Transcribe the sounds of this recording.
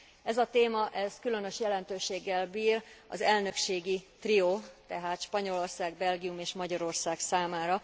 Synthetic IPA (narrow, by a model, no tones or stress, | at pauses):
ɛzɒt̪eːmɒʔɛskylø̞nø̞ʃjɛlɛnt̪øːʃeːɡːɛlbiːrɒ̰zɛlnø̞kʃeːɡit̪rioːt̪ɛɦaːt̪ʃpɒɲo̞lo̞rsaːɡ̚bɛlɡijumeːʃmɒɟɒɾo̞rsaːksaːmaːɾɒ